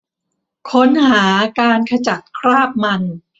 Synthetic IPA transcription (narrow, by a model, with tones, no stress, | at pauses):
kʰo˦˥nhaː˩˦kaː˧nkʰa˧t͡ɕa˨˩t̪̚kʰɾaː˥˩p̚ma˧n